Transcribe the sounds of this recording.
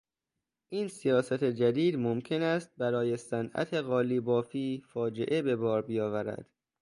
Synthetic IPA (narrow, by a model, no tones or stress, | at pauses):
ʔiːnsijɒːsæt̪ʰe̞d͡ʒæd̪iːd̪momcʰe̞næst̪̚bæɾɒːje̞sænʔæ̰t̪ʰe̞ɣɒːliːbɒːfiːfɒːd͡ʒe̞ʔe̞be̞bɒːɾbijɒːvæɾæ̰d̪̥